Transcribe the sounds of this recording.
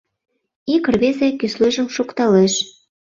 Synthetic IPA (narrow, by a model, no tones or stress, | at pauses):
ikə̆rβezekysløʒə̆mʃokt̪ɑleʃ